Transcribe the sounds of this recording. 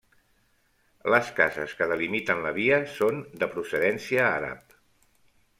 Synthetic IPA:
ləskazə̰skəðəlimit̪ənləβiəsond̪əpɾusəðɛnsiəaɾa̰p̚

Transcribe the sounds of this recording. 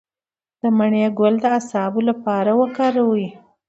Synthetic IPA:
d̪̥əmaɳjeɡʊld̪əasɑbolapɑɾawəkɑɾawi

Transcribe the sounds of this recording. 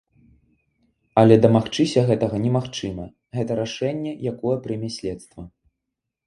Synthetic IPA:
ɐlʲɛd̪ɐmaxt͡ʂɨsʲɐɣɛt̪ɐɣɐnʲɛmaxt͡ʂɨmɐ | ɣɛt̪ɐɾaʂɛnʲːɛjakɔjɛpɾɨmʲasʲlʲɛt̪st̪vɐ

